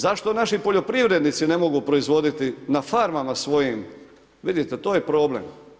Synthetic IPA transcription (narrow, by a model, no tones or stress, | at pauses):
zaʃt̪o̞naʃipoʎo̞pɾiʋɾe̞d̪nit̪sine̞mo̞ɡupɾo̞izʋo̞d̪it̪inafaɾmamasʋo̞jim | ʋid̪it̪e̞t̪oːjepɾo̞ːblḛm